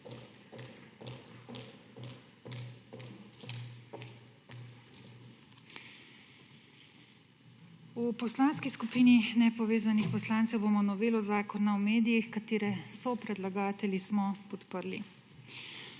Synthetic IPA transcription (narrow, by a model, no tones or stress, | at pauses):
upɔslaːnskiskupiːninɛpɔʋeːzanixpɔslant̪sɛwbomɔnɔʋeːlɔzaːkɔnawmeːd̪ijixkat̪eːɾɛsɔpɾɛd̪laɡaːt̪ɛlismɔpɔt̪pəɾlḭ